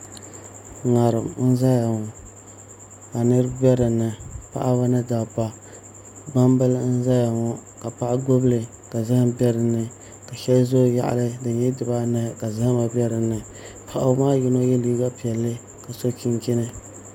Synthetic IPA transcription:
ŋa˨ɾɨ˨mn̩˦za˦ja˨ŋɔ˨ | a˨nɨ˦ɾɨ˦bɛ˦ɾɨ˨nːɨ˨pa̰˦ʔa˦ba˦nɨ˦da˨ba˦ | ba˦mbɨ˦ln̩˦za˦ja˨ŋɔ˨ka˨pa˦ʔa˦ɡo˦blɨ˨ | ka˨zɨ˦hɨ˦mbɛ˦ɾɨ˨nːɨ˨ | ka˨ʃɛ˦lzo˦˨ja̰˦˨ʔa̰˨lɨ˦dɨ˨ɲɛ˦dɨ˨ba˦na˨ka˨zɪ˦hɨ˦ma˨bɛ˦ɾɨ˨nːɨ˨ | pʰa˨ʔa˦maː˦jɪ˦no˦jɛ˦liː˦ɡa˦pi˨ɛ˨lːɨ˦ | ka˨so˦ki˦ŋkɪ˦nɨ˦

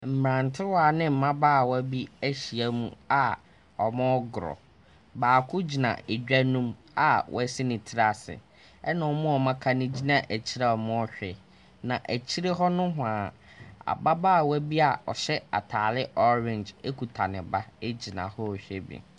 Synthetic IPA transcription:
m̩˨mɾã˨ntʰɪ˦wa˨nɪ̃˦m̩˨mã˦baː˦˨wɔ˦bi˦æ˦ɕi˨æ˦mṵ̃˨a˨ | ɔ˨mʊ̃˦ɔ˦ɡɾɔ̰˨ | baː˨kʰʊ˦d͡ʑi˨nã̰˨e˨d͡ʑᶣæ˦nũ˦m | a˨wʔɔ̰˦sɪ˦nɪ̃˨tʰɪ˦ɾa˨sɪ̰˨ | ɛ˦nã˨ɔ˨mʊ̃˦ɔ˨mã˦kʰa˦nɪ̃˦d͡ʑi˦nã˨ʔæ˨t͡ɕʰi˦ɾa˦˨ɔ˨mʊ̃˦ɔ˦ɕᶣɛ˨ | nã˨ʔæ˨t͡ɕʰi˦ɾe˦ɦɔ˦nʊ̃˦ɦʊ̃˨a˨ | a̰˨ba˦baː˦˨wɛ˦bi˦a˨ɔ̰˨ɕɛ˦a̰˨tʰaː˨lɪ˦ʔɔ˦ɾɪ̃˨nd͡ʒe˦kʰu˨tʰa˨nɪ̃˨ba˦e˦d͡ʑi˨nã̰˨hɔ˦ɔ˨ɕᶣɛ˦bḭ˨

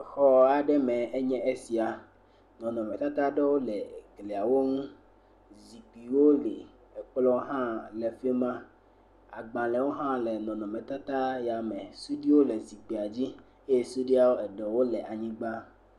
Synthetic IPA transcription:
xɔ˦a˨ɖɛ˦mɛ̃˨e˦ɲɛ̃˦ʔe˦si˨a˨ | nɔ̃˨nɔ̃˨mɛ̃˨t̪a˦t̪a˦ɖɛ˦wo˦lɛ˨ɡle˨a˨wo˦ŋũ˦ | zi˨k͡pi˨wo˦li˨ | ɛ˨k͡plɔ˦ɦã˦lɛ˨fe˦mã˦ | a˨ɡ͡bã˨lɛ˨wo˦ɦã˦lɛ˨nɔ̃˨nɔ̃˨mɛ̃˨t̪a˦t̪a˦ja˨mɛ̃˨su˦ɖi˦wo˦lɛ˨zi˨k͡pi˨a˨d͡ʑi˦ | e˦je˦su˦ɖi˦a˨wo˦ɛ˨ɖɔ˨wo˦lɛ˨ʔa˨ɲĩ˦ɡ͡ba˦

